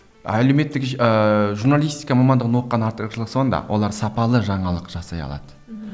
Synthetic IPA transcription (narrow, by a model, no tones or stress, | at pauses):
æleme̞t̪ːɪkəʒuɾnalˠijst̪ijkɑmɑmɑnd̪əʁənwo̞qːɑnɑɾt̪əɾəʃlˠəqso̞nd̪ɑ̰wolˠɑɾsɑpɑlˠəʒɑɴɑlˠəqʒ̥ɑsɑ̰jɑ̰lˠɑ̰d̪ə̥